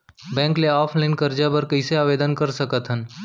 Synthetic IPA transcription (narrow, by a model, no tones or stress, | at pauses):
bɛ̃ːŋkleaːpʰlaɪnkəɾd͡ʒabəɾkəɪseaːʋeːd̪ənkəɾsəkət̪ɦən